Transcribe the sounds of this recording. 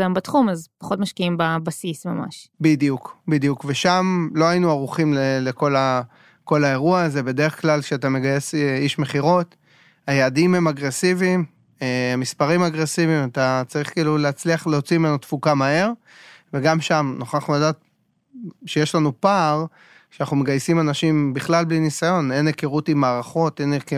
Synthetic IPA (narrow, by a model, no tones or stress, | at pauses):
ɡambatχumazpḁχo̞tmaʃkiimbabasismama̰ʃbid̪jukbid̪jukveʃamloajinuaʁuχimleleko̞la | ko̞lae̞ʁuaːze̞be̞d̪e̞ʁeχklalkʃeatame̞ɡaje̞seiʃme̞χiʁo̞t | ajeːdimhe̞maɡʁe̞sivim | eamispaʁimaɡʁe̞sivimat̪at͡saʁiχkiːluleat͡sliaχleo̞t͡simenutfukamae̞ʁ | veɡamʃamnoχaχnuladaːt̪ | ʃejeʃlanupaʁ | ʃeanaχnume̞ɡajsimanaʃimbiχlalblinisajo̞ne̞nekeʁutimaːʁaχo̞teneke